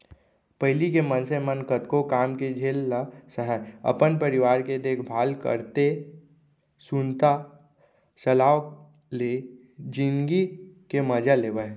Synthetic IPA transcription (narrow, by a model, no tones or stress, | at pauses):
pəɦɪlikemənsemənkət̪kokaːmked͡ʒʱeːlːasəɦɛə̰pənpəɾɪʋaːɾked̪eːkʰbʱaːlkə̰ɾt̪e | sunt̪a | səlaːo | le | d͡ʒɪ̃nɡikeməd͡ʒʱaleːʋə